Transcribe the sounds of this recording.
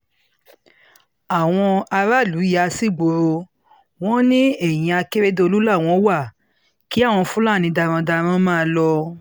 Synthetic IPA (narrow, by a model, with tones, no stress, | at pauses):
a˨w̃ɔ̃˧a˧ɾa˦˨lu˨˦ja˧si˦˨ɡ͡bo˨˧ɾo˧ | w̃ɔ̃˦nĩ˦ɛ˦˨j̃ĩ˧a˧ke˦ɾe˦do˧o˧lu˦la˦˨w̃ɔ̃˧˦wa˦˨ | ki˨˦a˦˨w̃ɔ̃˧fũ˦la˦˨nĩ˧da˧ɾ̃ɔ̃˧da˧ɾ̃ɔ̃˦mãː˦˨˧lɔ˧